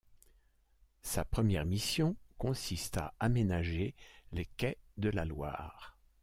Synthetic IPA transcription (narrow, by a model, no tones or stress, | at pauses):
sa̰pχəmjɛʁmisjɔ̃kɔ̃sist̪a̰amenaʒelekʲɛd̪əlalwa̰ːʁ